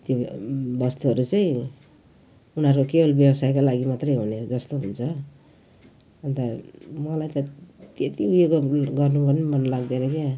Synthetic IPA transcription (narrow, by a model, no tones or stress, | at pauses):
t̪jobʌst̪uɦʌɾut͡sʌj̃ | unʌɾkokebolbjʌbsajkalaɡimat̪rʌjɦuned͡zʌst̪oɦunt͡sʰʌ | ʌnt̪ʌmʌlajt̪ʌt̪et̪iujekoɡʌrnupʌrnimʌnlaɡd̪eɾʌkja